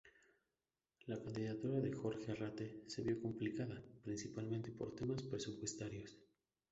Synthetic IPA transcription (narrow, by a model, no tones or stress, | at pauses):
lakand̪iðat̪uɾaðe̞xo̞ɾxearat̪e̞se̞βjo̞komplikaðapɾinsipalmẽnt̪e̞po̞ɾt̪e̞maspɾe̞supwe̞st̪aɾjo̞s